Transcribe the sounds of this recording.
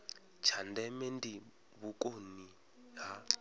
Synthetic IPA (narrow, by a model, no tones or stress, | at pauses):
t͡ʃʰandɛmendi | βukoni | ɦa